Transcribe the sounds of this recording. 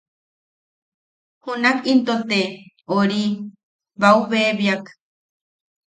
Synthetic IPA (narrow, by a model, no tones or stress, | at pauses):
hunakint̪ot̪e | oɾi | βauβeβjak